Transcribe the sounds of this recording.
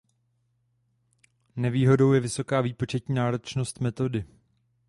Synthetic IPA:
nɛviːɦo̞do̞wjɛvɪso̞kaːviːpo̞t͡ʃɛt̪ɲiːnaːɾo̞t͡ʃno̞st̪mɛt̪o̞dɪ

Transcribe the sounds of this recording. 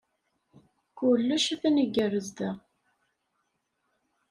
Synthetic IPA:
kulːæʃæθænəɡːərəzd̪ə

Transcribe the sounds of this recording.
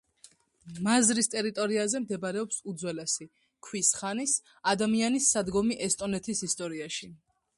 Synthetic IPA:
mazɾist̪ʼɛɾit̪ʼɔɾiazɛmd̪ɛbaɾɛɔpsud̪zwɛlɛsi | kʰwisχanis | ad̪amianisːad̪ɡɔmiʔɛst̪ʼɔnɛt̪ʰisist̪ʼɔɾiaʃi

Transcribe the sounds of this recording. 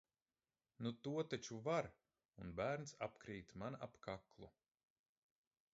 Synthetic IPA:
nut̪uɔt̪at͡ʃuvaɾ | unbæːɾnsapkɾiːt̪manapkaklˠu

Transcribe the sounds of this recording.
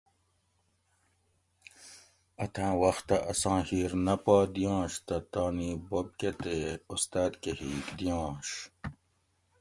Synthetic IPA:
ɐt̪ʰãːwɐxt̪ɐʔɐsɑ̃ːhiːɾnɐpaːd̪ijɑ̃ːɕt̪ɐt̪aːniːbob̚ket̪eust̪aːd̪kehiːkd̪ijɑ̃ːɕ

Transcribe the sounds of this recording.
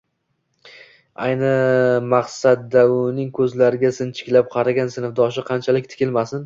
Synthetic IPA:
ajnɪmɑqsad̪d̪aʊnɪŋkʲʰɵzlaɾɪɡʲasɪnt͡ʃʰɪ̥kʲlap̚qʰɑɾaɡʲansɪnfd̪ɒʃɪqʰɑnt͡ʃʰalɪk̚ʲt̪ʰɪ̥kʲɪlmasɪn

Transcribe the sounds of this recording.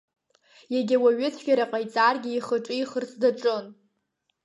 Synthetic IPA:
jaɡʲɪwaɥɪt͡sʰɡʲaɾaqʼajt͡sʼarɡʲɪːχəʈ͡ʂʼɨiχərsʰdaʈ͡ʂʼɨn

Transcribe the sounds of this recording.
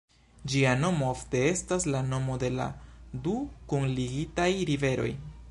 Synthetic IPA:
d͡ʒiano̞moofte̞e̞staslano̞mo̞de̞la̰dukunliɡitajɾive̞ɾo̞̰j

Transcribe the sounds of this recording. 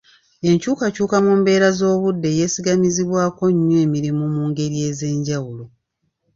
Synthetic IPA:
e̞ɲcuːkacuːkamumbe̞ːɾazo̞ːβudːe̞je̞ːsiɡamiziβwaːko̞ɲːwe̞ːmiɾimumuːŋɡe̞ɾje̞ːze̞ːɲɟawulo̞

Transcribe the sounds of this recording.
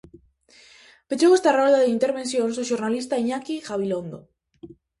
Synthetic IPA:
pet͡ʃowest̪arolðaðeint̪eɾβ̞e̞nθjõ̞ns̬uʃoɾnalist̪aiɲakixaβ̞ilond̪o

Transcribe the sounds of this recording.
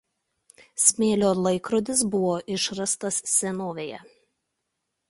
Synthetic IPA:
sʲmʲeːlʲoːlˠɐɪkɾɔd̪ʲɪsbʊʋoːʔɪʃɾɐst̪ɐssʲɛnoːʋʲeːjɛ̰

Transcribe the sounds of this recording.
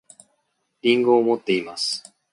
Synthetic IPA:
ɾʲĩŋɡoːmo̞t̪ːe̞imasɨ̥

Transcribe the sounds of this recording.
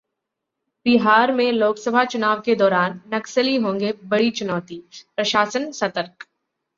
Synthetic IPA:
b̥ɪɦaːɾmẽloːksəbʱat͡ʃʊnaːʋked̪ɔːɾaːnːɐksəliɦõːŋɡebɐɽit͡ʃʊnɔːt̪ipɾɐʃaːsənsɐt̪əɾk

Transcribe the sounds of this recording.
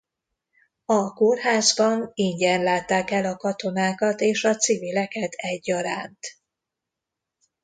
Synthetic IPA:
ɒkorɦaːzbɒniɲɟɛnlaːt̪ːaːkɛlɒkɒt̪o̞naːkɒt̪eːʃɒt̪sivilɛkɛt̪ʰɛɟːɒɾaːnt̪

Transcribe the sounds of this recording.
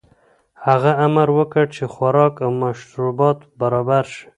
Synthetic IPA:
haɣaamaɾwəkəɽt͡ʃexwaɾɑkawmaʃɾubɑt̪baɾɑbaɾʃi̥

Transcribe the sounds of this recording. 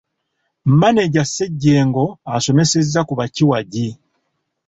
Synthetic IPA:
m̩mane̞ɟasːe̞ɟːe̞ːŋɡo̞aso̞me̞se̞zːakuβaciwaɟi

